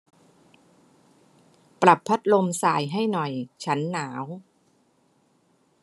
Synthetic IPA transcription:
pɾa˨˩pʰːa˦˥t̪̚lo˧msaː˨˩jɦa˥˩jnɔ˨˩jt͡ɕʰa˦˥nːaː˩˦w

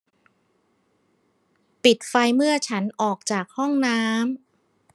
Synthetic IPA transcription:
pi˨˩t̪̚fa˧jmɯ˥˩ɐt͡ɕʰa˦˥nʔɔː˨˩k̚t͡ɕaː˨˩k̚hɔ˥˩ŋnaː˦˥m

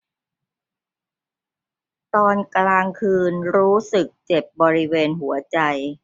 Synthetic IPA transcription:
t̪ɔː˧nklaː˧ŋkʰɯː˧nɾuː˦˥sɯ˨˩k̚t͡ɕe˨˩p̚bɔː˧ɾi˦˥weː˧nɦu˩˦ɐt͡ɕa˧j

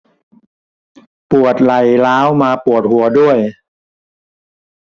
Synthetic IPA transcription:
pu˨˩ət̪̚la˨˩jlaː˦˥wmaː˧pu˨˩ət̪̚hu˨˩˦ɐdu˥˩əj

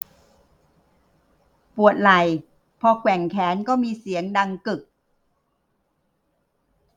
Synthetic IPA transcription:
pu˨˩ət̪̚la˨˩j | pʰɔː˧kʰwɛ˨˩ŋkʰɛː˩˦nkɔː˥˩miː˧si˩˦əŋda˧ŋkɯ˨˩k̚

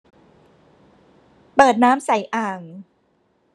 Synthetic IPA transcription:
pɤː˨˩t̪̚naː˦˥msa˨˩˦jʔaː˨˩ŋ

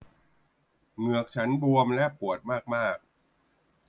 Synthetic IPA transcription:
mɯ˨˩ək̚t͡ɕʰa˦˥nbu˧əmlɛ˦˥pu˨˩ət̪̚maː˥˩k̚maː˥˩k̚

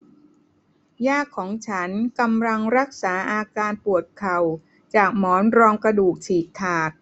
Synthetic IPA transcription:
jaː˥˩kʰːɔː˩˦ŋt͡ɕʰa˦˥nka˧mla˧ŋɾa˦˥k̚saː˩˦ʔaː˧kaː˧npu˨˩ət̪̚kʰa˨˩w | t͡ɕaː˨˩k̚mɔː˩˦nɾɔː˧ŋkɾa˧duː˨˩k̚t͡ɕʰiː˨˩k̚t̪ʰːaː˨˩k̚

